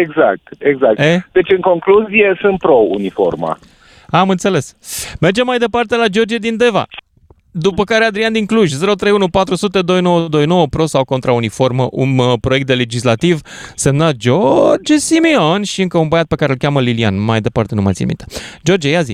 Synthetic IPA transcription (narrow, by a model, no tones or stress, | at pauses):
eɡza̰k̚tt̪eɡzak̚ed̪e̞t͡ʃɨŋko̞ŋkluzije̞sɨnt̪̚pɾo̞ṵnifo̰rma̰ | amɨnt̪se̞le̞sme̞rd͡ʒe̞mːajd̪e̞part̪e̞lad͡ʒo̞rd͡ʒied̪ind̪e̞va̰ | d̪upəkaɾead̪ɾiand̪iŋkluʒʲze̞ɾot̪ɾe̞junupat̪ɾusut̪e̞d̪o̞jno̞wəd̪o̞jno̞wəpɾo̞sawko̞nt̪ɾaunifo̞rməʔunpɾoe̞k̚t̪̚d̪e̞le̞d͡ʒislat̪iv | se̞mnat̪̚d͡ʒord͡ʒsimeo̞nʃiɨŋkəunbəjat̪̚pe̞kaɾelkʲaməlilia̰nmajd̪e̞part̪e̞numa̰t̪sʲḭmḭnt̪e̥d͡ʒo̞rd͡ʒejazḭ